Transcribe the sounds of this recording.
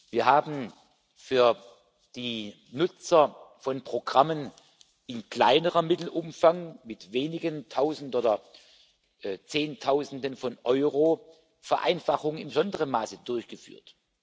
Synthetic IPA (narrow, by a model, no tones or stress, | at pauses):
viːɐɦaːbn̩ | fyːɐ | d̥iː | nʊt͡sɐfɔnpʁ̥oɡʁamən | ɪnkla̰ɪnəʁɐmɪtl̩ʔʊmfaŋmɪtveːnɪɡəntʰaʊzn̩toːdɐ | ʔt͡seːntʰaʊzn̩dənfɔnʔɔʏʁoː | fɛɐʔa̰ɪnfaχʊŋəɪnmbəzɔndəʁənmaːsədʊɐçɡ̥əfy̰ːɐt